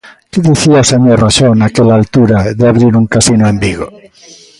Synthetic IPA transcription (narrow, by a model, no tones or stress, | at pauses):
keðiθiaseɲoraʃonakelaːlt̪uɾaðeaβɾiɾuŋkasinoẽmbiɣo̰